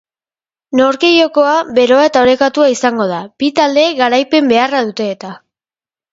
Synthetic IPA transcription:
noɾke̞jo̞ko̞abe̞ɾo̞ae̞t̪aoɾe̞kat̪uaisaŋɡo̞ð̞abit̪ald̪e̞ɣaɾajpe̞mbe̞araðut̪e̞ːt̪a

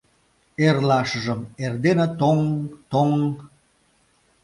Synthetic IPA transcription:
erlɑʃəʒə̆merd̪enet̪oŋt̪oŋ

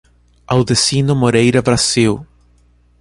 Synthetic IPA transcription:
awðesinʊmoɾejɾɐbɾasiw

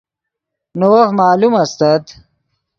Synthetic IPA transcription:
nowɐhmaːlumɐst̪ɐt̪

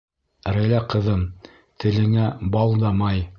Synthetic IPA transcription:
ɾæjlæqɤ̆ðɤm | t̪ʰɘ̆lɘ̆ŋæbɑlˠd̪ɑmɑj

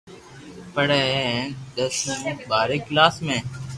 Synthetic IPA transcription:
pəɽeːɗ̪əsũːɓaːɾeːklaːsmẽː

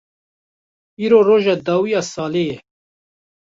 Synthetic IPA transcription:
iːɾoːroːʒɑːd̪ɑːwijɑːsɑːleːjɛ

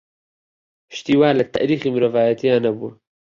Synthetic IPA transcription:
ʃt̪iːwaːlɐt̪a̰ʔɾiːximɾɐvaːjɐt̪ijaːnɐbuː

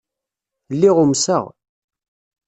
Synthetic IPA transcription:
lːiʁʊmsə̰ʁ

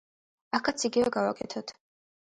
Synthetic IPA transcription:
akʰat̪sʰiɡivɛɡava̰kʼɛt̪ʰɔt̪ʰ

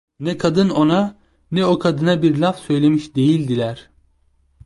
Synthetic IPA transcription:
nɛkʰad̪ɯno̞na | nɛo̞kʰad̪ɯnabiɾlʲafsø̞jlʲe̞miʃd̪e̞jilʲd̪ilʲæɾ̥

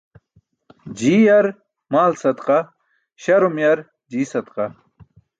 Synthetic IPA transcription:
d͡ʑiːjɐɾ | maːlsɐt̪qa | ɕɐɾumjɐɾ | d͡ʑiːsɐd̪qɐ

